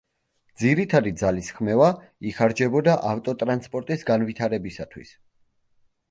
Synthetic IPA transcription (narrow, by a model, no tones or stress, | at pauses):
d̪ziɾit̪ʰad̪id̪zalisχmɛva | iχaɾd͡ʒɛbɔd̪aʔaft̪ʼɔt̪ʼɾanspʼɔɾt̪ʼisɡanvit̪ʰaɾɛbisat̪ʰwḭs